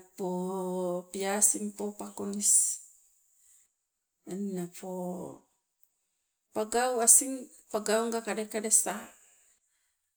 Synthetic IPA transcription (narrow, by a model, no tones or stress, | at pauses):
po | piasiŋpopakonis | nːapo | paɡauasiŋ | paɡauŋɡakadekadesa